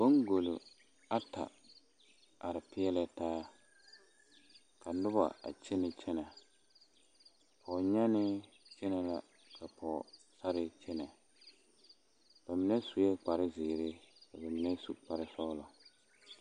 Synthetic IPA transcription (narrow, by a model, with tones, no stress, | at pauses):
b̥o˦ŋɡo˨lʊ̰˨ | a˦ta̰˨ | a˨ɾɪ˨pɪ˦ɛ˦lɛ˦taː˦ | kʰa˨nʊ˦ba̰˨a̰˨t͡ʃɛ˦nɪ˨t͡ʃʰɛ˦nɛ˨ | pʰɔː˨ɲa˦nɪ˦ | t͡ʃɛ˦nɛ˨la˦ | kʰa˨pʰɔː˨ | sa˦ɾɪ˦t͡ʃɛ˦nɛ˨ | b̥a˨mɪ˨nɛ˦su˨jɛ˦k͡pa˨ɾɪ˦zɪː˨ɾɪ˦ka˨ba˨mɪ˨nɛ˦sṵ˨k͡pa˨ɾɪ˦sɔ˦lɔ˨